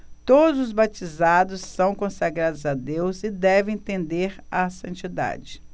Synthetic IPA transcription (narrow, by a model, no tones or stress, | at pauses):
t̪od̪ʊzʊzbat͡ʃizad̪ʊsːɐ̃w̃kõsaɡɾad̪ʊzad̪ewzɪd̪ɛvẽj̃t̪ẽnd̪eɾasɐ̃nt͡ʃid̪a̰d͡ʒɪ